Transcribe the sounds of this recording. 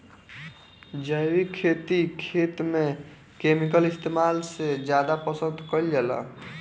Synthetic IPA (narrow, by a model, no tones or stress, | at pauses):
d͡ʒəjwikʰːet̪ikʰet̪me | kemikəlist̪emalsed͡ʒjad̪apəsə̃nd̪kəld͡ʒɛla̰